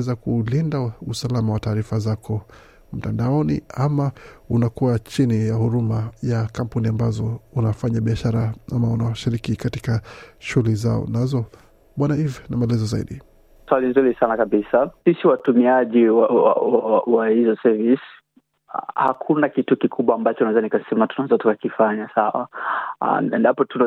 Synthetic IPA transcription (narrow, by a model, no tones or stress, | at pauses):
ɛzakulindausalamawataːɾifazakɔ | m̩tandaɔnḭamaunakuat͡ʃinijahuɾumajakam̩puniambazɔunafaɲaɓiaʃaɾaamaunawaʃiɾikikatikaʃulizaɔ̰nazɔ | ɓwanaivnamaɛlɛzɔzaḭɗi | swalinzuɾisanakaɓisasisiwatumiaʄiwaa̰wawawahizɔsɛvis | ha̰kʰunakitukikʰuɓwaːmbat͡ʃɔunaɛzanikasɛmatunaɛzatukakifaɲasawa̰ | ɛndapɔtuna